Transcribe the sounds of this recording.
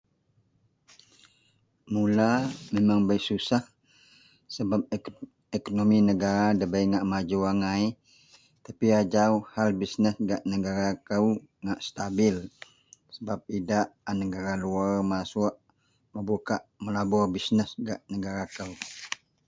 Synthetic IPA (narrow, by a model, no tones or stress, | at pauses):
mulamemaŋbajʔsusah | səbap̚ | ekonominəɡaɾadəbaiŋaʔmad͡ʒuaŋaj | t̪apiad͡ʒauhalbisnəsɡaʔnəɡaɾakəwŋaʔst̪abɪl | səbap̚idaʔanəɡaɾaluarmasuʔ | məbukaʔməlabɔrbisnəsɡaʔnəɡaɾakəu